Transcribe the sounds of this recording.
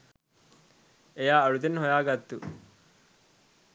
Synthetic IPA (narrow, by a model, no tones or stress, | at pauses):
ejaːɐɭud̪enɦojaːɡɐt̪ːu